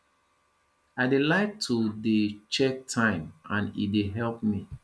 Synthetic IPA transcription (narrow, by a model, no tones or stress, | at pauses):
aɪdelaɪk̚tʰudet͡ʃɛk̚tʰãɪ̃mãnḭdeɦɛlp̚mi